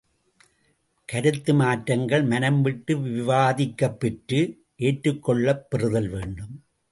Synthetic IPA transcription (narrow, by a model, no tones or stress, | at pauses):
kɐɾɯt̪ːɯmaːʈɾɐŋɡɐɭmɐnɐmʋɪʈːɯʋɪɪʋaːðɪkːɐpːɪʈɾɯ | ʔeːʈrɯkːɔɭːɐpːɪrɯðɐlʋeːɳɖɯm